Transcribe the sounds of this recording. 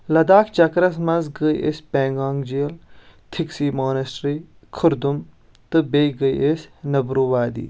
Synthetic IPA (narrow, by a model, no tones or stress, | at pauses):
lɐd̪aːkt͡ʃɐkɾɐsmɐ̃nzɡəiʔḛsʲpẽːŋɡaːŋɡd͡ʒiːlt̪ʰɪksiːmoːnɐsʈɾiː | kʰʊɾd̪um | t̪ɨbeɡəḭʔesʲnɐbɾuːʋaːd̪ḭː